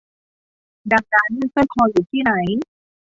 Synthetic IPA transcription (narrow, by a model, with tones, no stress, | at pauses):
da˨˩k̚daː˧nɯ˥˩˨sa˥˩jkʰɔː˧juː˨˩t̪ʰiː˥˩na˩˦j